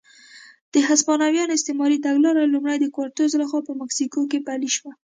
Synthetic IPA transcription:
d̪̥əɦaspɑnawjɑnoɪst̪emɑɾit̪aɡlɑɾalumɽajd̪əkwaɾt̪ozlaxwɑpəmaksikokepaliʃwa

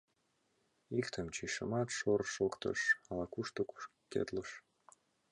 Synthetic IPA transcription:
ikt̪ʰəmt͡ɕiʃə̰mɑt̪ʃorʃokt̪ə̰ʃɑlɑkuʃt̪o | kḛt̪ləʃ

